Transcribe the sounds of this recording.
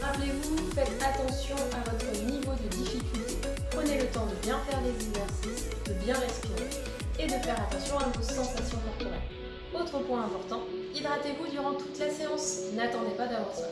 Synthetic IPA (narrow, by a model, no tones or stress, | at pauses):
ʁaplevufɛt̪χat̪ɑ̃sjɔ̃avɔt̪χənivod̪əd̪ifikʲylt̪e | pχənelət̪ɑ̃d̪əbjɛ̃fɛʁd̪ezɛɡzɛʁsisd̪əbjɛ̃ʁɛspiʁe | ed̪əfɛʁat̪ɑ̃sjɔ̃anuvosezɑ̃t̪asjɔ̃mɛʁt̪ɔlɛ̰ | ot̪χəpwɛ̃ɛ̃pɔʁt̪ɑ̃ | id̪ʁat̪evud̪yʁɑ̃t̪u̥t̪laseɑ̃snat̪ɑ̃d̪epad̪avwɑãʁsḁ